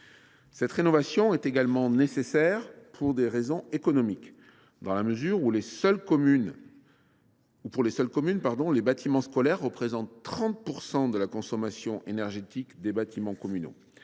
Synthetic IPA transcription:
sɛt̪ʁenɔvasjɔ̃ɛt̪eɡalmɑ̃nesesɛʁpʰuʁd̪eʁezɔ̃ekɔnɔmik | d̪ɑ̃laməzyʁulesœlkɔmyn | upuʁlesœlkɔmynpaʁd̪ɔ̃lebat̪ʰimɑ̃skɔlɛʁːəpχezɑ̃t̪ːχɑ̃t̪̚puʁsɑ̃d̪əlakɔ̃sɔmasjɔ̃ʔenɛʁʒet̪ikd̪ebat̪ʰimɑ̃kɔmyno̰

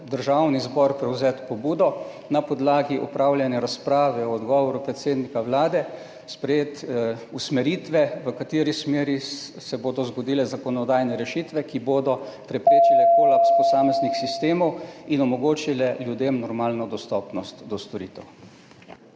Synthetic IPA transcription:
d̪əɾʒawnizbɔɾpɾɛwzɛːt̪pɔbuːd̪ɔ | napɔd̪laːɡiʔupɾawljanjɛɾaspɾaːʋɛɔːd̪ɡɔːʋɔɾupɾɛt̪seːd̪nikawlaːd̪ɛ | spɾɛjeːt̪usmɛɾiːt̪ʋɛʋəkat̪eːɾismeːɾisɛboːd̪ɔzɡɔd̪ilɛzakɔnɔd̪aːjnɛɾɛʃit̪ʋɛkiboːd̪ɔpɾɛpɾeːt͡ʃilɛkoːlapspɔsaːmɛznixsist̪eːmɔwinɔmɔɡoːt͡ʃilɛljud̪emnɔɾmaːlnɔd̪ɔst̪ɔpnɔst̪d̪ɔst̪ɔɾiːt̪ɛw

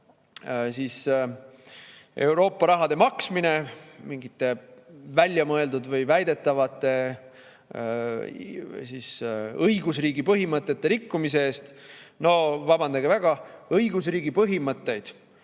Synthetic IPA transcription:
siːs | e̞wɾo̞ːpːɑɾɑɦɑd̪̥e̞mɑksmine̞miŋɡit̪ːˑe̞vælʲːjɑmɤeld̪ud̪vɤjvæjd̪e̞t̪ːˑɑvɑt̪ːˑe̞ | sisɤjɡus̬riːɡipɤɦimɤt̪ˑːe̞t̪ːe̞ɾikːumis̬e̞eːst̪no̞vɑbɑnd̪ɑɡ̥evæɡ̥ɑɤjɡ̥us̬riːɡipɤɦimɤt̪ːe̞jd̪̥

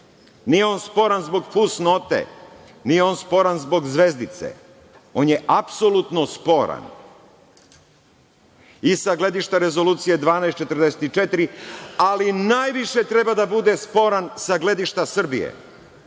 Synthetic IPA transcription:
nijeo̞nspo̞ɾanzbo̞ɡfusno̞t̪ḛ | nijeo̞ːnspo̞ɾanzbo̞ɡzʋe̞zd̪it̪sḛ | o̞njeʔapsolˠut̪nospo̞ɾa̰n | isaɡle̞d̪iʃt̪aɾe̞zo̞luːt̪sije̞d̪ʋaːnajst͡ʃe̞t̪rd̪ese̥t̪it͡ʃe̞t̪ɾialinajʋiʃet̪ɾe̞bad̪abud̪e̞spo̞ɾansaɡle̞d̪iʃt̪asr̩bijḛ

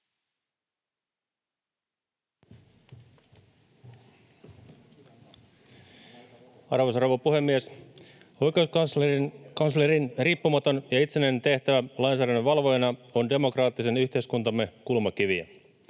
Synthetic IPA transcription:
ɑ̰rʋosɑrʋopuhe̞mːies | o̞jke̞us | kɑnsleɾinriːpːumɑt̪o̞njɑit̪sene̞nt̪e̞ht̪æʋælɑjns̬æːɾænːeʋɑlʋo̞jenɑonde̞mo̞krɑːt̪ːise̞nyçt̪e̞iskunt̪ɑmːe̞kulmɑkiʋiæ̰

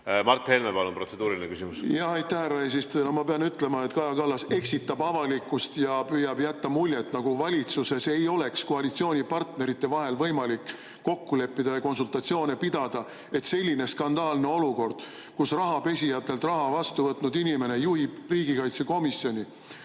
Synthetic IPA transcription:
mɑrt̪helnevɑlompro̞t̪se̞d̪̥uːɾilinekysimusjɑɦɑjt̪ːæhærːɑes̬ist̪nohmɑpeɑnyt̪ːˑle̞mɑet̪ːˑkɑjɑkɑlːɑse̞ksit̪ːɑbɑvɑlikːˑust̪jɑpyjɑbjæt̪ːɑmulʲjet̪ːnɑɡ̥uvɑlʲit̪suse̞se̞jo̞le̞ksko̞ɑlit̪sio̞ːnʲipɑrt̪ne̞ɾit̪ːe̞vɑɦe̞lvɤjmɑlikː | o̞kːule̞pːid̪̥ɑjɑko̞nsult̪ɑt̪sio̞ːnepid̪̥ɑd̪̥ɑ | e̞t̪se̞lʲːine̞skɑnd̪ɑːlne̞o̞luko̞rd̪̥ | kusrɑɦɑpe̞sʲijɑt̪ˑːe̞lt̪rɑɦɑvɑst̪uvɤt̪nud̪inʲime̞ne̞juhib̥riːɡikɑjt̪se̞ko̞misjo̞nʲi

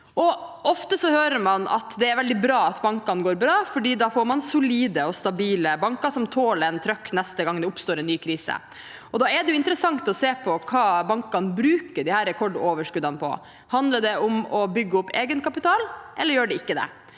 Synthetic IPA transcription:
ʔɔʔɔft̪əsɔhøːɾəɾmɑnɑ̰t̪d̪ɛæɾʋɛld̪ɪbɾɑːɑt̪bɑŋkɑnɡoːɾbɾɑːfɔɖiːd̪ɑːfoːɾmɑnsʊliːd̪əɔst̪ɑbiːləbɑŋkɑʂɔmt̪ʰoːlɛnt̪ʰɾœkːnɛst̪əɡɑŋd̪ɛʊpst̪oːɾɛnːyːkʰɾiːsə̰ | ʔɔd̪ɑːɛɖɛjʊɪnt̪əɾəsɑŋt̪ɔseːpʰɔkʰɑːbɑŋkɑnbɾʉːkəɖɪhæːɾɛkʰɔɖoːʋəʂkʉd̪ɑnəpʰɔ̰ | hɑnd̪ləɖɛʔʊmɔbʏɡːəʊpːeːɡənkɑpɪt̪ʰɑːlʔɛlːəɾjøːɖɛɪkːəd̪ɛ̰

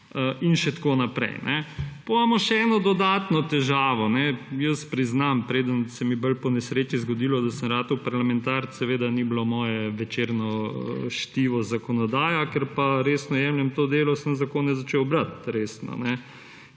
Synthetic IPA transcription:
əinʃɛt̪koːnapɾɛ̰jnɛpomaːmɔʃɛɛːnɔd̪ɔd̪aːt̪nɔt̪ɛʒaːʋɔnɛjəspɾiznampɾeːd̪ənsɛmibəlpɔnɛsɾeːt͡ʃizɡɔd̪ilɔd̪asəmɾaːt̪ɔpaɾlamɛnt̪aɾsɛʋeːd̪aniblomɔːjɛʋɛt͡ʃeɾnɔəʃt̪iːʋɔzakɔnɔd̪aːjakɛɾpaɾeːsnɔjɛmljɛmt̪od̪eːlɔsəmzakoːnɛzat͡ʃewbɾat̪ɾeːsnɔ̰nɛ

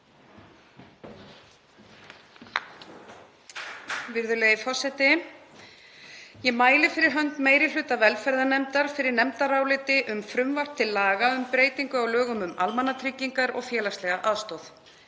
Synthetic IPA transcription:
vɪɾðʏleːjðɪfɔ̥sɛt̪ɪ | jɛmaːjlɪ̥fɪɾɪɾ̥ɦœnt̪meːjɾɪlʏːt̪avɛlfɛɾðanɛmt̪aɾ̥fɪɾɪɾnɛmt̪aɾaːwlɪt̪ɪʔʏmfɾʏmvar̥t̪ʰɪlːaːɣaʏmpɾeːjt̪iŋkʏawlœːɣʏmʏmalmanːat̪ʰɾɪcːiŋkaɾɔ̰ɣfjɛːlast̪lɛɣaʔaðst̪ɔwθ

